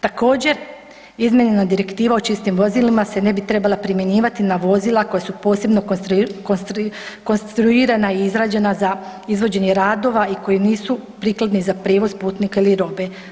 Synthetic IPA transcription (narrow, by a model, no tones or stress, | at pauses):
t̪ako̞ːd͡ʑe̞ɾ | izmʲjeɲe̞nad̪iɾe̞kt̪iːʋao̞t͡ʃist̪imʋo̞zilimase̞ne̞bit̪ɾe̞balˠapɾimjeɲiːʋat̪inaʋo̞zilˠako̞jasupo̞ːse̞bno̞konsko̞nst̪ɾuiːɾanaiizɾaːd͡ʑe̞nazaizʋo̞d͡ʑe̞ɲeɾaːd̪o̞ʋaiko̞jiniːsupɾiːkled̪nizapɾjeːʋo̞zpuːt̪nikeiliɾo̞be̞